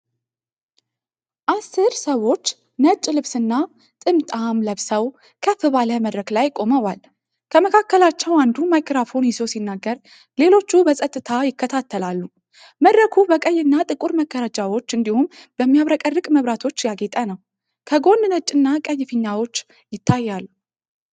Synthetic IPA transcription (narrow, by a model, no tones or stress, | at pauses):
ʔasːɨɾsəwo̞t͡ʃː | nət͡ʃʼlɨβsɨnːa | t̪ʼɨmt̪ʼamləβsəw | kʰəfɨβaləməd̪ɾəklajkʼo̞məwal | kʰəməkʰakːəlat͡ʃːɛwand̪umajkɾafo̞njizo̞sinːaɡːəɾ | le̞lo̞t͡ʃːubəsʼət̪ʼːɨt̪ʰajɪkʰːət̪ʰat̪ʰːəlalːu | məd̪ɾəkʰubəkʼəjːɨnːat̪ʼɨkʼuɾməɡəɾad͡ʒʼawo̞t͡ʃːɨnd̪ihumb̥əmːijaβɾəkʼərːɨkʼməβɾat̪ʰo̞t͡ʃːjaɡet̪ʼənəw | kʰəɡo̞nnət͡ʃʼɨnːakʼəjːɪfɨɲːawo̞t͡ʃː | jɪt̪ʰːajːalːu